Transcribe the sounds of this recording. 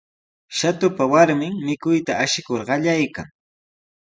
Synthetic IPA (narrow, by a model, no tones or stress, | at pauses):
ʃat̪ʊpawaɾmɪŋmɪkʊjt̪aːʃɪkoɾɢɑʎajka̰ŋ